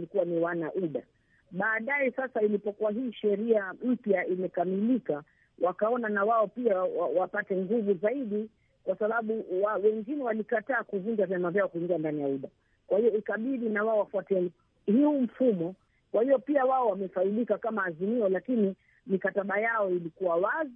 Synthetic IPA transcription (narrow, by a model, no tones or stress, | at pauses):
likuwaniwanaʔuɗa̰ | ɓaːɗajɛsasailipɔkuwaɦiːʃɛɾiam̩pjaimɛkamilika | wʔakaɔnanawaɔpiawawapatɛŋɡuvuzaiɗi | kwasaɓaɓuwawɛŋɡinɛwalikataːkuvund͡ʒavjamavjaɔkuiŋɡiandanijauɗa | kwahijɔikaɓiɗinawaɔwafuatɛni | hhum̩fumɔ | kwahijɔpiawaɔwamɛfailikakamaːzimiɔlakini | mikataɓajaɔilikuwawazi